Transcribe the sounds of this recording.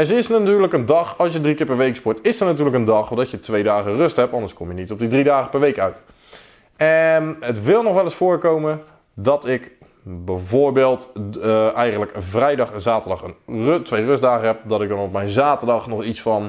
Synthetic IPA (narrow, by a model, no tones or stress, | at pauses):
ɛnzəɪsnatyːɹləkəndɑχɑlˠsjədrikɪːɹpɛɹʋejkspʊɹtɪsənatyːɹləkəndɑχɔdɔtjətʋejdaːχərøstɦɛpɑndəɹskɔmjənitɔb̚didridaːχə̥pɛɹʋejkœɥt | ɛnətʋɪlˠnɔχʋɛləsfʊːɹkowmə | dɔtɪk | bɛjvoːɹbɪːlˠt | ɛjχənələkəvrɛjdɑχɛnzaːtəɹdɑχənrtʋejrøsdaːɣəɦɛp̚dɔtɪk̚dɑnɔp̚mɛjnzaːtəɹdɑχnɔχitsfɑn